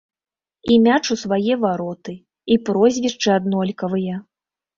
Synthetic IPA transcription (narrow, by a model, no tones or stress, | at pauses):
imʲat͡ʂusvajɛvaɾɔt̪ɨ | ipɾɔzʲvʲiʂt͡ʂɨad̪nɔlʲkɐvɨjɐ